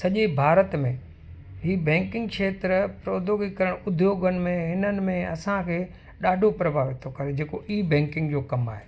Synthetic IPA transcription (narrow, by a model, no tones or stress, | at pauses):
sɐʄebʱaːɾət̪mẽ | ɦiːbɛ̃ːŋkɪ̃ŋɡʃeːt̪ɾəpɾoːd̪ʱoːɡikɐɾəɽ̃ʊʊd̪ʱjoːɡənɪ̆mẽɦɪnənɪ̆mẽɐsãkʰeː | ɗaːɖʱopɾɐbʱaːʋɪt̪ʰokɐɾed͡ʑeːkoʔiːbɛ̃ːŋkɪ̃ŋɡd͡ʑoːkɐmaːɦeː